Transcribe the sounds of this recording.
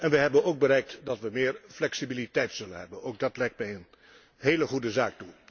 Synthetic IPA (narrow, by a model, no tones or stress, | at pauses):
ɛnʋəɦɛbənowɡ̚bəɾɛjk̚tdɑtʋəmɪːrflɛksibilitɛjtsɵlənɦɛbənoːwk̚dɑtlɛjk̚tmɛjən | ɦejləχudəzaːk̚tu